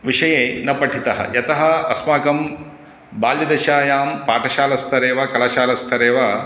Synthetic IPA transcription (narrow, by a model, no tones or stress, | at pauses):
ʋiʂɐjeːnɐpɐʈʰit̪ɐɦɐ̰jɐt̪ɐɦɐɐsmaːkɐm | baːljɐd̪ɐʃaːjaːmpaːʈɐʃaːlɐst̪ʰɐɾeːʋɐkɐlɐʃaːlɐst̪ʰɐɾeːʋɐ